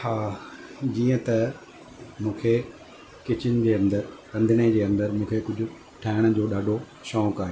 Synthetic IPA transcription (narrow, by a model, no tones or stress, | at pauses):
haːd͡ʑiːə̃t̪ɐ | mũːkʰe | kɪt͡ɕɪnɪd͡ʑeːɐ̃nd̪əɾkɐ̃nd̪ʱɪned͡ʑeːɐ̃nd̪əɾmũːkʰekʊd͡ʑʱʊ̆ | ʈʰaːɦɪɽ̃ʊ̆d͡ʑoːɗaːɖʱo | ʃɔːkaːɦeː